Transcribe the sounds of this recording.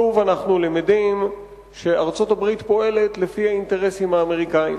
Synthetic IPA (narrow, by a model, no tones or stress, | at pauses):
uvanaχnulimidim | ʃe̞aʁt͡so̞tabʁitpo̞e̞le̞t̪lefiainte̞ʁe̞simaːme̞ʁikaḭm